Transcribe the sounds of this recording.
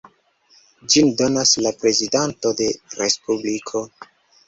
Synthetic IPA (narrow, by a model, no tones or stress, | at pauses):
d͡ʒindo̞naslapɾe̞zidanto̞de̞ɾe̞spublikʰo̞